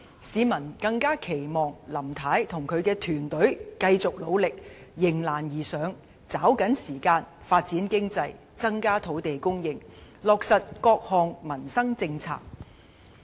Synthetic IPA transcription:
siː˨˧mɐ˨˩nkɐ˧ŋkaː˥kʰe˨˩jmɔː˨ŋlɐ˨˩mt̪ʰaː˨˥jt̪ʰʊ˨˩ŋkʰɵ˨˧ɥkɛː˧t̪ʰyː˨˩nt̪ɵ˨˥ɥkɐ˧jt͡sʊ˨k̚lo˨˧wlɪ˨k̚jɪ˨˩ŋlaː˨˩njiː˨˩sœː˨˧˥ŋ | t͡saː˨˥wkɐ˨˥nsiː˨˩kaː˧nfaː˧t̚t͡siː˨˥nkɪ˥ŋt͡sɐ˧j | t͡sɐ˥ŋkaː˥t̪ʰo˨˥wt̪e˨jkʊ˥ŋjɪ˨ŋlɔː˨k̚sɐ˨t̚kɔː˧k̚hɔː˨ŋmɐ˨˩nsɐ˥ŋt͡sɪ˧ŋt͡sʰa̰ː˧k̚

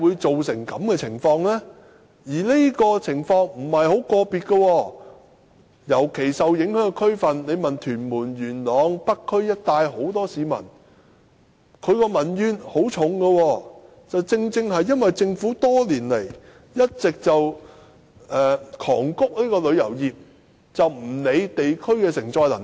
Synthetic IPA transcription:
wuː˨˧jt͡so˨wsɪ˨˩ŋkɐ̰˨˥mkɛː˧t͡sʰɪ˨˩ŋfɔː˧ŋlɛː˥ | jiː˨˩li˥jkɔː˧t͡sʰɪ˨˩ŋfɔː˧ŋm̩˨˩hɐ˨jho˨˥wkɔː˧piː˨˧t̚kə˧wɔː˧ | jɐ˨˩wkʰe˨˩jsɐ˨wjɪ˨˥ŋhœː˨˥ŋɛ˧kʰɵ˥ɥfɐ˨nle˨˧jmɐ˨nt̪ʰyː˨˩nmuː˨˩nɥyː˨˩nlɔː˨˧˥ŋpɐ˥kʰːɵ˥ɥjɐ˥t̚t̪aː˧jɦo˨˥wt̪ɔː˥siː˨˧mɐ̰˨˩n | kʰɵ˨˧ɥkɔː˧mɐ˨˩njyː˨˧nho˨˥wt͡ʃʰʊ˨˥ŋɡɐ˧wɔː˧ | t͡sɐ˨wt͡sɪ˧ŋt͡sɪ˧ŋɦɐ˨jːɐ˥nwɐ˨jt͡sɪ˧ŋfuː˨˥t̪ɔː˥liː˨˩nle˨˩j | jɐ˥t̚t͡sɪ˨k̚t͡sɐ˨w | ɛː˨kʰɔ̰ː˨˩ŋkʊ˥k̚liː˥kɔː˧lɵ˨˧ɥjɐ̰˨˩wjiː˨p̚ | t͡sɐ˨wm̩˨˩ne˨˧jt̪e˨jkʰɵ˥ɥkɛː˧sɪ˨˩ŋt͡sɔː˧jlɐ˨˩n

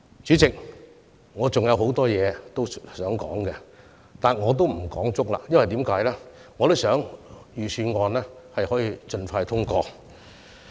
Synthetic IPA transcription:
t͡ʃyː˨˥t͡sɪ˨k̚ | ŋɔː˨˧t͡sʊ˨ŋjɐ˨˧who˨˥wt̪ɔː˥jɛː˨˧t̪o˥wsœː˨˥ŋkɔ̰ː˨˥ŋkɛ˧ | t̪aː˨nŋɔː˨˧t̪̬o˥wm̩˨˩kɔː˨˥ŋt͡sʊ˥k̚la̰ː˨˧jɐ˥nwɐ˨jt̪iː˨˥mkaː˨˥jlɛː˥ŋɔː˨˧t̪o˥wsœː˨˥ŋjyː˨sʰyː˨˧nŋɔː˨˧nɛː˥hɐ˨jhɔː˨˥jiː˨˧t͡ʃɵ˧nfaː˧jt̪ʰʊ˥ŋkɔː˧

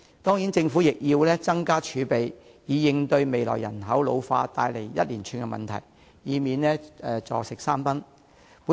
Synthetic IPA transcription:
t̪ɔː˥ŋji˨˥nt͡sɪ˧ŋfuː˨˥jɪ˨k̚jiː˧wlɛː˥t͡sɐ˥ŋkaː˥t͡ʃʰyː˨˧pe˨j | jiː˨˧jɪ˨˧ŋt̪ɵ˧ɥme˨jlɔ̰ː˨˩jːɐ̰˨˩nɦɐ˨˥wlo˨˧wfa̰ː˧t̪aː˧jle˨˩jjɐ˥t̚liː˨˩nt͡ʃʰyː˧nkɛ˧mɐ̰˨nt̪ʰɐ̰˨˩j | jiː˨˧miː˨˧nlɛː˥ɛː˨˧t͡sɔ̰ː˨˩sɪ˨k̚saː˥mpɐ˥n | puː˨˥

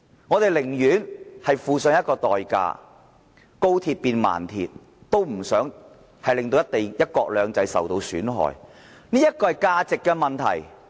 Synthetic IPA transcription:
ŋɔː˨˧t̪e˨jlɪ˨˩ŋjyː˨˥nhɐ˨jfuː˨sœ˨˧ŋjɐ˥t̚kɔː˧t̪ɔː˨jka̰ː˧ | ko˥wt̪ʰiː˧t̚piː˨˧nma̰ː˨˩nt̪ʰḭː˧t̚ | t̪o˥wm̩˨˩sœː˨˥ŋ | hɐ˨jlɪ˨ŋt̪o˧wjɐ˥t̪̚e˨jjɐ˥t̚kɔː˧k̚lœː˨˧ŋt͡sɐ˧jsɐ̰˨wt̪o˧wsyː˨˥nɦɔ̰ː˨j | niː˥jɐ˥t̚kɔː˧hɐ˨jkaː˧t͡sɪ˨kːɛ˧mɐ˨nt̪ʰɐ̰˨˩j

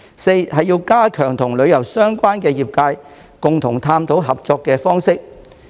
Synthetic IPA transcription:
se˧jɦɐ˨jiː˧wkaː˥kʰœː˨˩ŋt̪ʰʊ˨˩ŋlɵ˨˧ɥjɐ˨˩wsœː˥ŋkʷaː˥nkɛː˧jiː˨p̚kaː˧j | kʊ˨ŋt̪ʰʊ˨˩ŋt̪ʰaː˧mt̪ʰo˨˥wɦɐ˨p̚t͡sɔː˧kːɛː˧fɔː˥ŋsɪ˥k̚

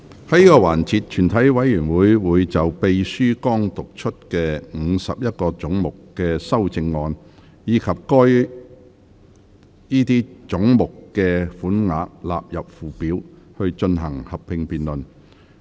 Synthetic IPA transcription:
hɐ˨jiː˥kɔː˧waː˨˩nt͡sʰiː˧t̚t͡ʃʰyː˨˩nt̪ʰɐ˨˥jwɐ˨˥jːyː˨˩nwuː˨˥jwuː˨˧jt͡sɐ˨wpe˨˧jsyː˥kɔː˥ŋt̪ʊ˨k̚t͡ʃʰɵ˥t̚kɛː˧ŋ̩˨˧sɐ̰˨p̚jɐ˥t̚kɔː˧t͡sʊ˨˥ŋmʊ˨kkɛː˧sɐ˥wt͡sɪ˧ŋːɔː˧n | jiː˨˧kʰɐ˨p̚kɔː˥j | jiː˥t̪iː˥t͡sʊ˨˥ŋmʊ˨kːɛː˧fuː˨˥nŋa̰ː˨˥k̚la̰ː˨p̚jɐ˨p̚fuː˨˩piː˨˥w | hɵ˧ɥt͡ʃɵ˧nɦɐ˨˩ŋhɐ˨pʰːɪ˧ŋpiː˨nlɵ˨n

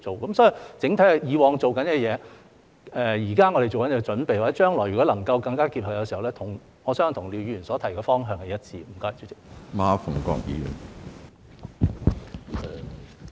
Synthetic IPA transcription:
t͡so˨wkɐ˨˥msɔː˨˥ji˨t͡sɪ˨˥ŋt̪ʰɐ˨˥jhɐ˨jiː˨˧wɔː˨˧ŋt͡so˨wkɐ˨˥nkɛː˧jɛː˨˧ | ɛː˨jiː˨˩kaː˥ŋɔː˧ɾe˨jt͡so˨wkɐ˦nɛː˧t͡ʃɵ˨˥npe˨jwaː˨˩ɛ˦˥t͡ʃœː˥ŋlɔː˨˩jɥyː˨˩kɔ˨˥lɐ˨˩ŋkɐ˧wkɐ˧ŋkaː˥kiː˧p̚hɐ˨˩jɐ˧si˨hɐ˨˩wlɛ˥t̪ʰʊ˨˩ŋ | ŋɔː˨˧sœː˥ŋ˨˩t̪ʰʊ˨˩ŋliː˨˧wjyː˧˨˧y˨˩nsɔː˨˥t̪ʰɐ˨˩jkɛː˧fɔː˥ŋɦœː˧ŋkɛ˨˧jɐ˥t̚t͡siː˧m̩˨˩kɔː˥jt͡sy˨˥t͡sɪ˨˥k̚maː˧fʊ˨˩ŋkɔ̰ː˧k̚jḭː˨˧jy̰ː˨˩n˨

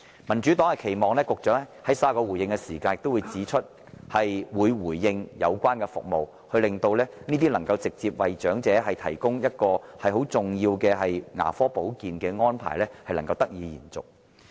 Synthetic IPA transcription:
mɐ˨˩nt͡ʃyː˨˥t̪ɔː˨˥ŋɐ˨˩kʰe˨˩jmɔː˨ŋlɛː˥kʊ˨k̚t͡ʃœː˨˥ŋɛ˥hɐ˨˥jsaː˥kɔː˧wuː˨˩jɪ˧ŋkɛ˧siː˨˩kaː˧njk̚t̪o˥wu˨˧jt͡siː˨˧˥t͡ʃʰɵ˥t̚ | hɐ˨jwuː˨˧jwuː˨˩jːɪ˧ŋjɐ˨˧wkʷaː˥nkɛ˧fʊ̰˨k̚mo˨w | hɵ˧lɪ˨ŋt̪o˧wlɛː˥niː˥t̪̬iː˥lɐ˨˩ŋkɐ˧wt͡sɪ˨k̚t͡siː˧p̚wɐ˨jt͡ʃœː˨˥ŋt͡sɛː˨˥ɦɐ˨jt̪ʰɐ˨˩jkʊ˥ŋjɐ˥t̚kɔː˧hɐ˨jho˨˥wt͡sʊ˨ŋjiː˧wkɛː˧ɦɐ˨jŋa̰ː˨˩fɔː˥po˨˥wkiː˨nkɛː˧ŋɔː˥npʰa̰ː˨˩jlɛː˥hɐ˨jlɐ˨˩ŋkɐ˧wt̪ɐ˥k̚jiː˨˧jḭː˨˩nt͡sʊ̰˨k̚

